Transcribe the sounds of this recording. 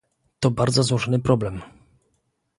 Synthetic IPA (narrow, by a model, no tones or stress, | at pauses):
t̪ɔbaɾd̪zɔzwɔʐɔnɘpɾɔblɛm